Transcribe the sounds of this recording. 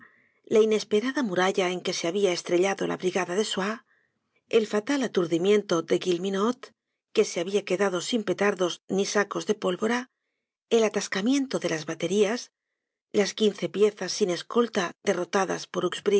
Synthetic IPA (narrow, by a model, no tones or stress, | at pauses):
laine̞spe̞ɾaðamuɾaʎae̞ŋke̞seaβiae̞st̪ɾe̞ʎaðo̞la̰βɾiɣaðaðe̞swa | e̞lfat̪alat̪uɾðimjẽ̞nt̪o̞ðe̞ɣilminot̪ | ke̞se̞aβiake̞ðaðo̞simpe̞t̪aɾðo̞znisako̞zðe̞po̞lβo̞ɾa | e̞lat̪askamjẽ̞nt̪o̞ðe̞lazβat̪e̞ɾias | laskin̟θe̞pje̞θasːine̞sko̞lt̪aðe̞ro̞t̪aða̰spo̞ɾukzbɾi